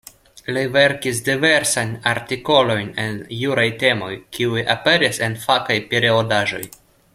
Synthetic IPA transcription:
live̞ɾkis̬dive̞ɾsanaɾtiko̞lo̞jnenjuɾajte̞mo̞jkiujʔape̞ɾise̞nfakajpiɾiodaʒo̞̰j

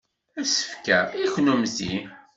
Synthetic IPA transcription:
æsə̥fkæiçnumzi

